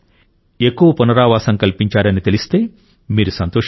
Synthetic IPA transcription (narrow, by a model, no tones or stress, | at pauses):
e̞kːuʋɐpunɐɾaːʋaːsɐŋkɐlpiɲt͡ʃaːɾɐnit̪elist̪e̞ː | miːɾusɐnt̪oː